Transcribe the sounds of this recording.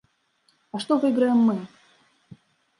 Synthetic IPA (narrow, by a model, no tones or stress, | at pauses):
ɐʂt̪ovɨɡɾəjɪmːɨ